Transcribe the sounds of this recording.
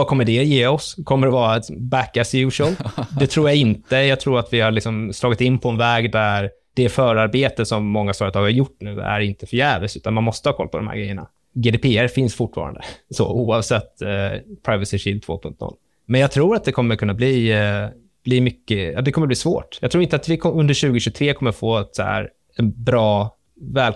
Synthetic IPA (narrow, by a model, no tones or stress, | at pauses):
ɑkʰɔmːəɖɛjeːɔskʰɔmːəɖ̪ɛvɑːɾat̪bækːɛsjʉːʂəld̪ɛt̪ʰɾuːɾjaɪnt̪əjɑɡt̪ʰɾuːɾat̪vɪhaɭɪksɔmslɑːɡɪt̪ɪnːpʰɔɛnvɛːɡd̪æɾ | d̪̥ɛfœːɾaɾbeːt̪əsɔmːɔŋːafœːɾət̪ʰɑːɡhaɾjʊʈːnʉ̟ːæ̰ɾɪnt̪əfœɾjæːvəsʉ̟ːt̪anmanmɔst̪əhɑːkʰɔ̰lːpʰɔd̪ɔmhæ̰ɾɡɾɛjːəɳa̰ | ɡeːd̪eːpʰeːæɾfɪnsfʊʈːfɑ̰ːɾa̰nd̪ə̰sɔ̰uːɑvsɛt̪ːpʰɾaɪvəsɪʂɪlt̪ʰvo̰ːpʰɵŋt̪nɔ̰lː | mɛnjɑɡt̪ʰɾuːɾat̪̚d̪ɛkʰɔmːəɾkʰɵnːabli | b̥limʏkːəɑ̰d̪ɛkʰɔməbliːsvo̰ːʈjɑɡt̪ʰɾuːɾɪnt̪əat̪vɪkʰɵnd̪əɾɕʉ̟ːɡɪɕʉɡt̪ʰɾeːkʰɔmːəɾfoːɛt̪shæ̰ɾ | ɛnbɾɑː | vɛːl